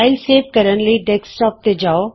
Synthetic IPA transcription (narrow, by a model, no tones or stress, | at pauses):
ɪlseːʋkəɾəɳləiɖɛksʈɔːp̚t̪ed͡ʒaːo